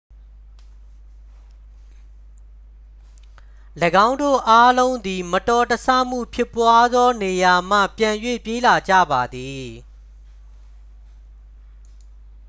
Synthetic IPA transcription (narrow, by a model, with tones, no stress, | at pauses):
ləɡã˦ʊ̃ndo̰˦˨ʔa˦lõ˦ʊ̃nd̪i˨mə˨tɔ˨təsä̰˦˨m̥ṵ˦˨pʰjɪ˦˨pːwa˦d̪ɔ˦ne˨ja˨m̥ä̰˦˨pjã˨jwḛ˦˨pje˦la˨d͡ʑä̰˦˨ba˨d̪i˨